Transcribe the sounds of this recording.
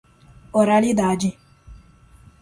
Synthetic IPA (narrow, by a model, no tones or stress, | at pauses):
ɔɾalid̪aːd͡ʒi